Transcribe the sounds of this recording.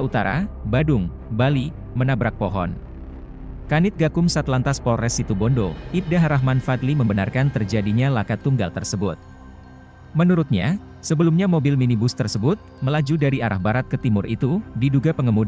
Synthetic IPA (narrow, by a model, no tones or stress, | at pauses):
ut̪a̰ɾa̰badʊŋ | bali | mənabɾak̚poɦɔ̰n | kanɪt̪̚ɡakʊmsat̪lant̪aspoɾɛsit̪ubɔndoʔip̚daɦɾaɦmanfat̪liməmbəna̰rkant̪ərd͡ʒadiɲalakat̪ːuŋɡa̰lt̪ərsəbʊt̪̚ | mənuɾʊt̪̚ɲa̰ | səbəlumɲamobɪlminibʊst̪ərsəbʊt̪̚məlad͡ʒudaɾiaɾʔa̰hbaɾat̪̚kət̪imʊrʔḭt̪udiduɡapəŋɡəmud